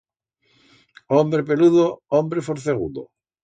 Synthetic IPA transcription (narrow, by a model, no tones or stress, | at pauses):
ombɾep̬eluðoombɾefoɾθeɣṵd̪o̰